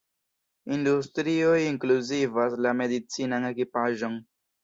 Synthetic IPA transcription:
industɾiojiŋkluzivaslame̞dit͡sinane̞kipaʒon

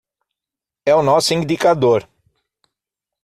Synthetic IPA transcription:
ɛʊnɔsʊĩd̪ikad̪oɾ

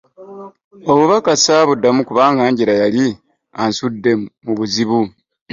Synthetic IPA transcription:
o̞βuβakasaβudːamukuβaːŋɡaːɲɟiɾajali | ansudːe̞muβuziβu

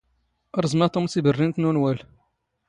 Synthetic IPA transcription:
ɾˤzmæt̪ʊmsibərːint̪nunwæl

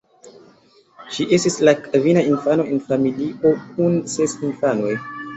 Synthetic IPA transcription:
ʃiʔe̞stislakavinainfano̞enfamilio̞k̚unse̞sinfanoj

